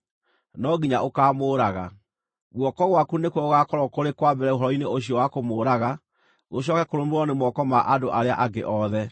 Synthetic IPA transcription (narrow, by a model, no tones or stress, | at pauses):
nɔɡiɲaʔokaːmoːɾaɣa̰ | ɣwɔkɔɣwakunekwɔoɣakɔɾɔkoɾekwabɛɾɛoɦɔɾɔineoɕiɔwakomoːɾaɣa | ɣoɕ̬ɔkɛkoɾomɾɔnemɔkɔmaʔadoʔaɾea̰ʔaɡḛʔɔðɛ